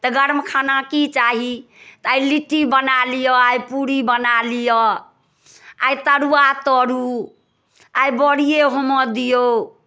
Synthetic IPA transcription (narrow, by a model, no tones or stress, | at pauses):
t̪ɔɡəɾmkʰanakit͡ʃaɦi | t̪ajliʈːibənalijɔajpuɾibənalijɔ | ajt̪əɾuat̪ɔɾu | ajbɔɽijeɦomɔd̪ijo